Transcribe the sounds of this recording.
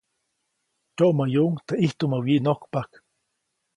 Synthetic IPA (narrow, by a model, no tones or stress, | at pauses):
t͡ʃoʔmajuŋt̪aʔiht̪umawiʔnokpak